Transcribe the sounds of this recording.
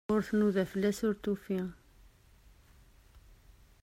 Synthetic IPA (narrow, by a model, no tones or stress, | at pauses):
ʊɾθnuðæfəlːæsʊɾt̪ufi